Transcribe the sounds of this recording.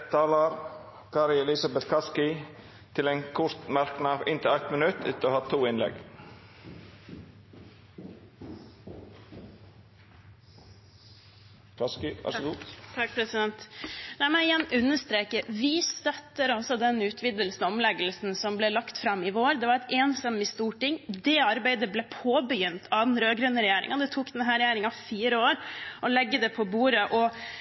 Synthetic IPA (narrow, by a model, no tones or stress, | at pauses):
t̪ʰɑːlɑɾ | kʰɑɾɪɛlɪsɑbɛt̪kʰɑskɪ | t̪ʰɪleːnkʰʊɾt̪mɑɾknəɑːʋɪnt̪ʰɪlæt̪mənʉt̪ʰɪt̪ːoːhɑt̪ʰːuːɪnlɛ̰ɡ | kʰɑskɪʋæ̰ʂɡuːɾɛsɪd̪ɛnt̪næɪmɛnɪjɛnːʉnːəʂt̪ɾeːkəɾʋɪst̪œt̪ːəɾɔsɔd̪ɛnʉːt̪ʰʋɪd̪əlsnɔmlɛɡəlsnsɔmblɛːlɑkt̪fɾɑmːɪʋoːɾd̪ɛʋɑɾɛt̪eːnsɑmɪst̪uːʈɪŋːd̪ɛɑɾbæɪd̪əblɛpʰoːbəjʏnt̪ʰɑd̪ɛnɾøːɡɾʉnːəɾɛjeːɾɪ̰ŋɑd̪ɛt̪ʰuːkd̪ɛnɦæːɾɛjeːɾɪŋɑʋfiːɾəoːɾɔlɛɡːəd̪ɛpʰɔbuːɾəʔɔ